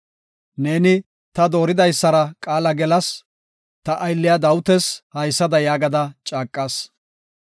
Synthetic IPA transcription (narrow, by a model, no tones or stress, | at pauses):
ne̞ːnɪ | t̪ɐd̪o̞ːɾɪd̪ɐjsːɐɾɐkʼaːlɐɡɛlɐs | t̪ɐʔɐjlːɪjad̪ɐwʊt̪ɛshɐjsːɐd̪ɐjaːɡɐd̪ɐt͡ʃʼaːkʼːɐːs